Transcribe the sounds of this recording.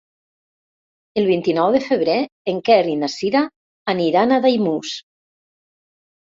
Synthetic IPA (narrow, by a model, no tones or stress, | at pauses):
əlˠβ̞int̪inɔwðəfəβ̞ɾeeŋkɛrinasiɾaː | niɾanaðajmus